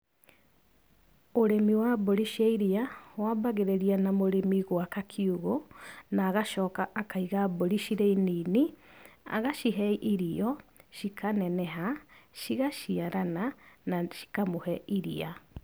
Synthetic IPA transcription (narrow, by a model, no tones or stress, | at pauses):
oɾemiwabɔɾiʃiaiɾiawaːbaɣeɾeɾianamoɾemiɣwakakʰiuɣonaːɣaʃɔːkaʔːkaiɣabɔɾiʃiɾeininia̰ɣaʃiɦɛiʔiɾiɔʃikʰanɛnɛɦaʃiɣaʃiaɾananaʃi̥kamohɛiɾia